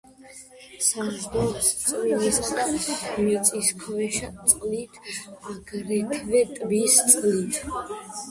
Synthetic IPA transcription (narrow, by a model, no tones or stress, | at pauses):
saɾɡɔst̪sʼulɛs | mit̪sʼiskʰɔvɛʃat̪sʼqʼlit̪ʰaɡɾɛkʰvɛt̪ʼbist̪sʼqʼlit̪ʰ